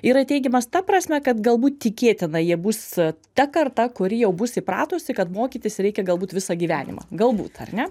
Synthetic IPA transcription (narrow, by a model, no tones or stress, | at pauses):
iɾɐt̪ʲɛɪɡʲɛmɐst̪ɐpɾɐsʲmʲɛkɐt̪ɡɐlˠbuːt̪t̪ʲɪkʲeːt̪ʲɪnɐjiɛbuːs | t̪ʲɛkɐrt̪ɐkʊɾʲɪjɛʊbusʲɪpɾɑːt̪oːsʲɪkɐt̪moːkʲiːt̪ʲɪsʲɾʲɛɪkʲɛɡɐlˠbuːt̪ʋʲɪsɑɡʲiːʋʲæːnʲɪ̰mɐ̰ɡɐlˠbṵːt̪ɐ̰rnʲɛ